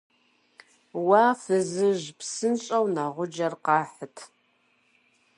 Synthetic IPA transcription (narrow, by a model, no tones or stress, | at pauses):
waːfɨzɨʒpsɨnɕʼɐwnaʁʷʊd͡ʒɐrqɑːħətʰ